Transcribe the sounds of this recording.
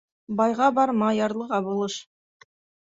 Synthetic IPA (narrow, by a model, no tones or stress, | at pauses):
bɑjʁɑbɑɾmɑjɑɾlˠɤʁɑbulˠɤʃ